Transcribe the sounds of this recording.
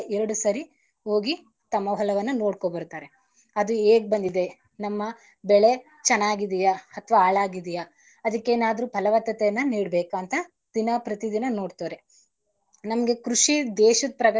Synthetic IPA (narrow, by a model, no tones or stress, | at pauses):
ʔɛɾɐɽusɐɾi | ɦo̞ːɡi | t̪ɐmːɐɦɔlɐʋɐnːɐno̞ːɽkoːbɐɾt̪aːɾe̞ | ɐd̪ueːɡ̚bɐnd̪id̪e̞ | nɐmːɐ | bɛɭe̞ | t͡ʃɛnːaːɡid̪ijaɐt̪ʰʋaaːɭaːɡid̪ijaː | d̪ɐkːeːnaːd̪ɐɾuːpʰɐlɐʋɐt̪ːɐt̪ɛjɐnːɐniːɖbeːkaːnt̪ɐ | d̪̥inɐpɾɐt̪id̪inɐno̞ːɖt̪oːɾe̞ | nɐmɐɡe̞kɾuʂid̪eːʃud̪̚pɾɐɡɐ